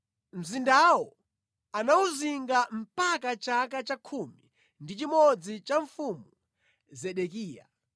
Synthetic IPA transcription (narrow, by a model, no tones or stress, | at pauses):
m̩zindawɔ | anauziŋɡam̩pakat͡ʃakat͡ʃakʰumi | ndit͡ʃimɔd͡zit͡ʃaɱfumu | zɛɗɛk̬iːja̰